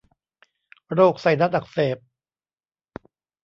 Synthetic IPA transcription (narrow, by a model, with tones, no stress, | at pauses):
ɾoː˥˩k̚sa˨˩˦jna˦˥t̪̚ʔa˨˩k̚seː˨˩p̚